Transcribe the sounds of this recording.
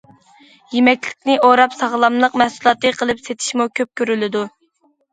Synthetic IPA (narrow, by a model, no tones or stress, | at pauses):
jemɛkʲlɪkʲnɪʔoɾɑpsɑʁlˠɑmlˠəqmɛhsulˠɑt̪ːɨqʰəlˠɨpset̪ʰɪ̥ʃmukʲʰøp̚kʲʰøɾylɪd̪u